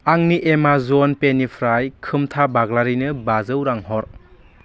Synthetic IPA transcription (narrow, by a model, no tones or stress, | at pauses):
aŋniʔemazɔnpenipʰɾajkʰɯmtʰabaɡlaɾinɯbazɯwɾaŋɦɔɾ